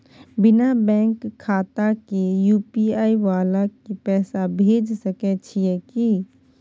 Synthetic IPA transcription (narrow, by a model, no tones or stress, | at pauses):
bɪnabɛ̃ːŋkʰːaːt̪akejuːpiaːiʋaːlakipɛːsabʱeːd͡ʒsəkɛt͡ʃʰijɛki